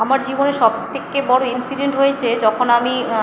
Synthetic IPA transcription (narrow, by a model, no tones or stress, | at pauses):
amaɾd͡ʑiboneɾʃɔb̚t̪ʰekebɔɽoinsiɖeɳʈɦojet͡ɕʰed͡ʑɔkʰonami